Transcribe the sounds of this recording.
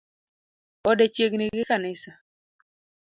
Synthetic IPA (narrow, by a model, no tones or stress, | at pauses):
ɔdɛt͡ʃeɡniɡɪkanɪsa